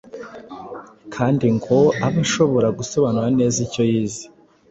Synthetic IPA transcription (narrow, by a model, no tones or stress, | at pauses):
kʰaːndiŋɡo̞aβaʃo̞βo̞ɾaɡuso̞βanuɾane̞ːzico̞jiːzi